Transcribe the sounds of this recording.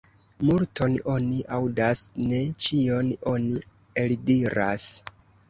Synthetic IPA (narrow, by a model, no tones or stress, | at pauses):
multo̞no̞niʔawdasne̞t͡ʃio̞no̞ni | eldiɾas